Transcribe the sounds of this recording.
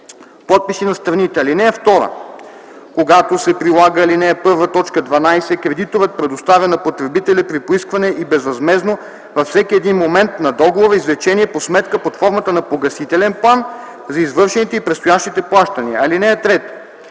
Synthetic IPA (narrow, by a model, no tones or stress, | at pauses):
pɔt̪̚pisinɐst̪ɾɐnit̪ɛɐlinɛɛft̪ɔɾə̰ | koɡat̪osɛpɾilˠaɡəːlinɛːpɤɾvət̪ɔt͡ʃkəd̪vɐnajsɛkɾɛd̪it̪ovət̪̚pɾɛd̪ost̪avʲɐnɐpot̪ɾɛbit̪ɛlʲəpɾipoiskvɐnɛʔibɛzvɐzmɛzno | vɐfsɛkiɛd̪inmomɛnt̪nɐd̪ɔɡovoɾəizlɛt͡ʃɛniɛposmɛt̪kəpot̪fɔɾmɐt̪ənɐpoɡɐsit̪ɛlɛnplˠan | zɐizvɤɾʃɛnit̪ɛipɾɛt̪st̪ojaʃt̪it̪ɛplˠaʃt̪ɐniɐɐlinɛɛt̪ɾɛt̪